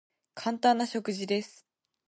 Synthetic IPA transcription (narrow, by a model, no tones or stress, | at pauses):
kʰãnt̪ãnːaɕo̞kɯ̟ʑid̪e̞sɨ̥